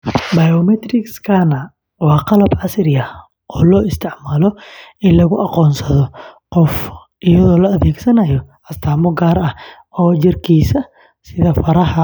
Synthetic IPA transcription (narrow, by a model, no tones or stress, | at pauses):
bɐjɔmɛt̪rɪkskʰɐnɐ | wɑːqɑlɐbʕɑsrjɐ | ʔɔːlɔːɪst̪ʰɪʕmaːlɔɪnlɐɣʊʔɑqɔːnsɐðɔqɔf | ʔɪjɐðɔːlɐːðɛːɡsɐnɐjɔʔɐst̪ʰaːmɔɡaːɾɐh | ɔːt͡ʃɪrkʰiːsɐ | sɪðɐfɐɾɐhɐ